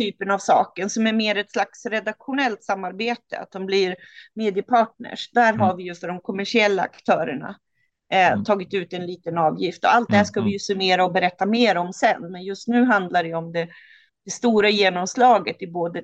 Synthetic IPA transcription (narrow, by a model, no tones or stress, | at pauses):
t̪ʰyːpənavsɑ̰ːkənsɔmæɾmeːɾɛt̪slaksɾɛd̪akɧʊnɛlt̪samːaɾbeːt̪ə̰a̰t̪̚d̪ɔmblɪɾmeːd̪ɪəpʰɑːʈ̚ɳə̰ʂd̪æːɾɦaɾvɪjɵfœɖɔmkʰɔmæʂɪɛlːaa̰kt̪ʰœːɾəɳa̰ | t̪ʰɑːɡɪt̪ʉ̟ːt̪ɛnliːt̪ənɑːvjɪft̪ɔ̰alt̪̚d̪ɛhæʂkavɪjɵsɵneːɾaɔbɛɾɛt̪ːameːɾɔmsɛnːmɛnjɵst̪nʉ̟ːɦand̪laɾɛjɔmd̪ɛ | d̪̥ɛst̪uːɾajeːnɔmslɑːɡət̪ɪboːd̪ə